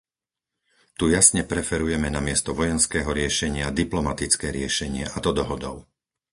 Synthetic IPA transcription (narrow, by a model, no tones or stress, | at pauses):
t̪ujasɲɛpɾɛfɛɾujɛmɛnamɪɛst̪ɔʋɔjɛnskɛːɦɔɾɪɛʃɛɲɪad̪iplɔmat̪it͡skɛːɾɪɛʃɛɲɪɛʔat̪ɔd̪ɔɦɔd̪ɔʊ